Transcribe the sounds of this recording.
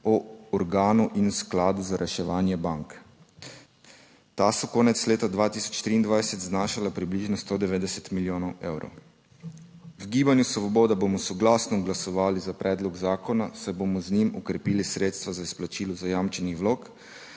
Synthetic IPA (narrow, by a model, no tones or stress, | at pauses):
ɔɔɾɡaːnuʔinsklaːd̪uzaɾʔɛʃɛʋaːnjɛbaŋk | t̪asɔkoːnɛt̪sleːt̪ad̪ʋaːt̪isɔ̥t͡ʃt̪ɾiːnd̪ʋajsɛt̪znaːʃalapɾibliʒnɔst̪od̪ɛʋeːd̪ɛsɛt̪miljoːnɔweːwɾɔ̰w | wɡiːbanjusɔʋɔboːd̪abomɔsɔɡlasnɔɡlasɔʋaːlizapɾʔɛːd̪lɔɡzaːkɔnasajbomɔznimɔkɾɛpiːlisɾeːt̪st̪ʋazaisplat͡ʃiːlɔzajaːmt͡ʃɛnixwloːk